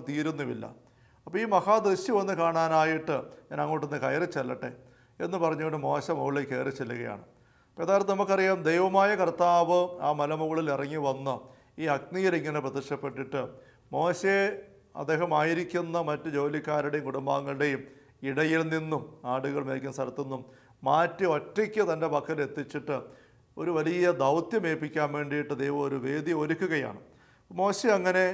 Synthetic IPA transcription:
t̪iːɾunːɐʋḭlːɐ̰ | ɐpːoːiːmɐhaːd̪ɐɕiʋɐnːɨkaːɳaːnaːjiʈːɨɲaːnɐŋːoːʈːenːɨkɐjrit͡ɕelːɐʈːḛ | ḛnːɨpɐrɐɲːuɣoɳɖɨmo̞ːɕɐmɐɣuɭekːḛːrɨt͡ɕelːɐɣɐja̰ːɳɨ | ɐpːoeðaːjɾd̪ɨnɐmukːɐrijaːmd̪ejʋɐmaːjɐkɐrt̪aːʋɨaːmɐlɐmuɣɐɭilirɐŋːiʋɐnːɨ | iːɐɡ̚nijɐliŋːɐne̞prɐt̪iʂɐpːe̞ʈːiʈːɨ | mo̞ːɕe | ɐ̰d̪e̞ːɦɐmaːjiɾikʲːunːɐmɐtːɨd͡ʑo̞ːlikːaːɾuɽe̞jumkuɽumbaːŋːɐɭɨɽe̞jum | iɽɐjilninːumaːɽuɣɐɭmeːlkʲːumsɐɾɐt̪ːunːumː | aːtːio̞tːikʲːɨt̪ɐnde̞pɐkʰːɐle̞t̪ːit͡ɕːiʈːɨ | o̞̰ɾuʋɐlijɐd̪ɐwt̪jɐme̞ːpːikʲːaːnʋe̞ːɳɖijiʈːɨd̪ejʋɐmo̞ɾuʋe̞ːd̪io̞ɾukːuɣɐja̰ːɳɨ̰ | mo̞ːɕeɐŋːɐne̞

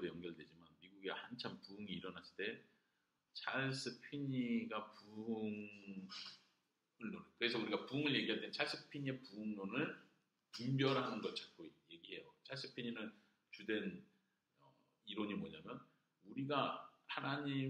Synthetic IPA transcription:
ɾejʌŋɡʌɭdwe̞d͡ʑimanmiɡuɡehant͡ɕʰampuɯŋiːɾʌnas͈ɯ̥t͈e̞ | t͡ɕʰaɭs͈ɯpʰiɲiɡapuŋ | ɯɭnonɯnkɯɾe̞sʰʌuɾiɡapuɯŋɯɭje̞ɡiɦadwent͡ɕʰaɭs͈ɯpʰiɲiepuɯŋnonɯɭ | pumbjʌɾɦanɯnɡʌtt͡ɕḁk͈ʰoje̞ɡiɦe̞jot͡ɕʰaɭs͈ɯ̥pʰiɲinɯn | t͡ɕudwe̞n | ʌ | iɾoɲimoɲamjʌn | uɾiɡahanaɲi

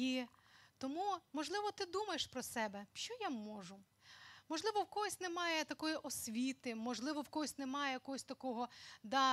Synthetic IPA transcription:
it̪ɔmumɔʒlˠɪʋɔt̪ɪd̪umɐjeʃpɾɔsɛbɛʃt͡ʃɔjamɔʒʊ | mɔʒlˠɪʋɔwkɔɦɔsʲnemɑjɛt̪ɐkɔjiʔɔsʲʋʲit̪ɪmɔʒlˠɪʋɔwkɔɦɔsʲnemɑjɛjɐkɔɦɔsʲt̪ɐkɔɦɔd̪ɑ

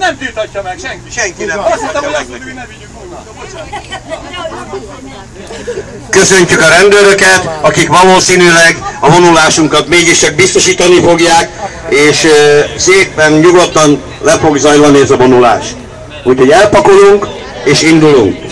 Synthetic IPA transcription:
nɛmt̪it̪ːɛŋɛŋki | kø̞sø̞ɲcykɒɾɛnd̪øɾø̞kɛt̪ɒkikʋɒloːsiːnylɛɡɒbo̞nulaːʃuŋkɒt̪meːɡiʃt͡ʃɛɡ̚bist̪o̞ʃiːt̪ɒnifo̞ɡjaːk | eːʃseːpɛnɲuɡo̞t̪ːɒn | lɛfo̞ɡzɒjlɒniɛzɒbo̞nula̰ːʃt̪ | uːcʰho̞ɟɛlpɒkoluŋk | eːʃind̪uluŋk

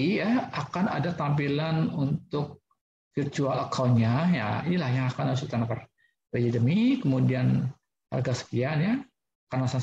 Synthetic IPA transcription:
ijaakana̰dat̪ampilanunt̪ʊk̚ | firt͡ʃualəkʰawɲaja̰inilahjaŋakanas̬ut̪anapər | bed͡ʒidəmikəmudian | ha̰rɡasə̥kianja | karnasa

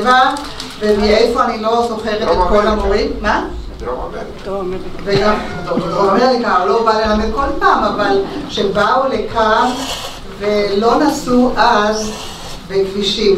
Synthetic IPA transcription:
va | vemiejfo̞anilo̞zo̞χe̞ʁett̪ekolamoʁimma | veɡaoomeʁlikalovalenamet̚ko̞lpaːmavalʃebaule̞kʰan | ve̞lo̞nasuʔaz | bekviʃim

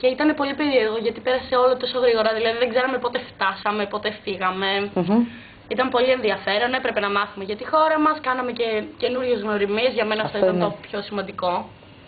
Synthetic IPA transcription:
ce̞it̪ɐne̞po̞lipe̞ɾieɾɣo̞ʝɐt̪ipe̞ɾɐse̞o̞lot̪o̞so̞ɣɾiɣo̞ɾɐðilɐðiðeɡze̞ɾɐmepo̞t̪e̞ft̪ɐsɐme̞po̞t̪e̞fiɣɐme̞ | it̪ɐmpo̞lienðiɐfe̞ɾo̞nepɾe̞pe̞nɐmɐθume̞ʝɐt̪ixo̞ɾɐmɐskɐnɐme̞ce̞ce̞nuɾʝe̞zɣno̞ɾimizʝɐme̞nɐft̪oit̪ɐnopço̞simɐnd̪iko̞

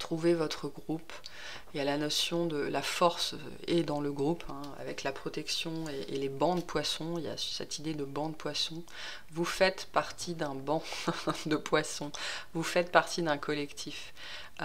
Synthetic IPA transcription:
t̪χuvevɔt̪χəɡʁup | ealanɔsjɔ̃d̪əlafɔʁs | ed̪ɑ̃ləɡʁupʰɛ̃a̰vɛklapχɔt̪ɛksjɔ̃eːlebɑ̃d̪əpwasɔ̃ilja̰sɛ̰t̪ʰid̪ed̪əbɑ̃d̪əpwasɔ̃ | vufɛt̪paʁt̪ʰid̪ɛ̃bɑ̃d̪əpwasɔ̃vufɛt̪̚paʁt̪id̪ɛ̃kʰɔlɛkt̪ʰif

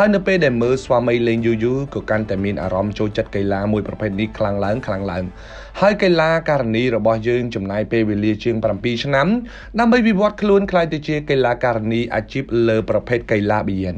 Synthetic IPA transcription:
haəjnɨwpeːlɗaɛlməːlsʋaːmɨjleːŋjuːjuːkɑːkant̪aɛmiənʔa̰ːɾɑmt͡ɕoːlt͡ɕət̪̚kəjlaːmuəjprɑpʰeːt̪̚nihkʰlaŋlaəŋkʰlaŋlaəŋ | haəjkajlaːkaːɾaniːrɔɓɑhjəːŋt͡ɕɑmnaəjpeːlʋeːliət͡ɕiəŋprampiːt͡ɕʰnam | ɗaəmɓəjʋiʋŏət̪̚kʰluənkʰlaːjt̪aːt͡ɕiəkajlaːkaːɾaniːʔa̰ːt͡ɕiːp̚ləːprɑpʰeːt̪̚kəjlaːɓijɛən

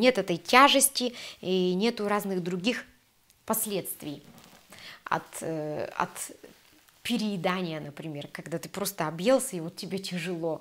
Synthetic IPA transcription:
nʲe̞t̪ɛt̪əjtʲaʐɨsʲtʲɪinʲe̞t̪ʊɾaznɨɣd̪ɾʊɡʲix | pɐsʲlʲe̞t̪st̪vʲɪj | ɐ̰t̪ɐ̰t̪ | pʲɪɾʲɪɪd̪anʲɪjənəpɾʲɪmʲe̞rkɐɡd̪at̪ɨ̥pɾo̞st̪əɐbjelˠsʲəivo̞t̪tʲːɪbʲetʲɪʐɨlˠo̞

